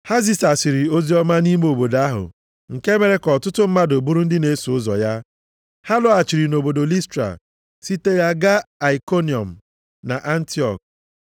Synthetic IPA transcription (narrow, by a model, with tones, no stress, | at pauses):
ha˦zi˦sa˨si˨ɾi˨o˦zi˦ɔ˦ma˦ni˦m˦o˨bo˨da˦ɦʊ̰˨ | ŋ̩˨ke˦me˨ɾe˦kɔ˨tʊ˦tʊ˦m̩˦ma˦do˨bu˦ɾu˦n̩˦dɪ˦ne˦sʊ˦zɔ̰˨ja˦ | ha˦lʊ˦a˨t͡ʃi˨ɾi˨no˨bo˨do˨li˦stɾa̰˨ | si˦te˦ja˦ɡa˦a˨i˨ko˦ni˨ɔ̰˨m̩˨ | na˨ʔa˦n̩˦ti˦ɔ̰˨k̚